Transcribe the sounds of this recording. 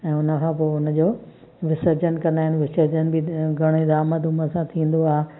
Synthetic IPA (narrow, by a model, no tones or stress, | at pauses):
ɛ̃ːʊnəkʰãpoːʊnə̆d͡ʑoː | ʋɪsəɾd͡ʑənkɐ̃nd̪aːɪnɪ̆ʋɪsəɾd͡ʑənɪ̆bɪɡʱɐɽ̃ed̪aːməd̪ʱʊməsãt̪ʰĩːn̆d̪oaːɦe